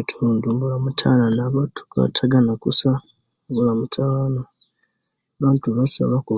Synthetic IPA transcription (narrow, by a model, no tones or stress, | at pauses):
tʰuːndumbulamutʰalanaβatʰu̥ka̰tʰaɡanakusa | mbulamutʰaana | βaːntuβasa̰βaku